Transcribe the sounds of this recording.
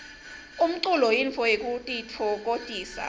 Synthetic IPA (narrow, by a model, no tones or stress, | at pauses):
um̩ǀulɔjiɱfɔjek̬ʼutʼitʰɔk̬ʼotʼiːsa̰